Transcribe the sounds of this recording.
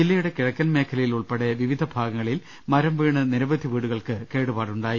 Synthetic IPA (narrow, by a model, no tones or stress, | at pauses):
ilːɐjuɽe̞kiɻɐkʲːɐnmeːkʰɐlɐjiluɭpeɽeʋiʋid̪ʱɐbʱaːɡɐŋːɐɭil | mɐɾɐmʋiːɳɨniɾɐʋɐd̪ʱiʋiːɽuɣɐɭkɨke̞ːɽupaːɽuɳɖaːji